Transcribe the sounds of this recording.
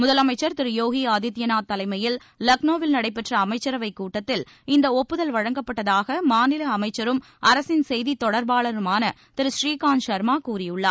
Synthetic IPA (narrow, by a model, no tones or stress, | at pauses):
mʊðɐlɐmɐɪt͡ʃːɐɾt̪ɪɾɯjoːɣiaːd̪ɪt̪ːɪjɐnaːt̪ːɐlɐɪmɐjɪl | lɐknoːʋɪlnɐɽɐɪpːɛʈrɐːmɐɪt͡ʃːɐɾɐʋɐɪkːuːʈːɐt̪ːɪl | ɪnd̪ɐɔpːɯðɐlʋɐɻɐŋɡɐpːɐʈːɐðaːɣɐmaːnɪlɐɐmɐɪt͡ʃːɐɾɯm | ʔɐɾɐsɪnsɛjðit̪ɔɽɐɾbaːɭɐɾɯmaːnɐ | t̪ɪɾɯʃɾiːkaːnʃɐɾmaːkuːɾɪjɯɭːa̰ːɾ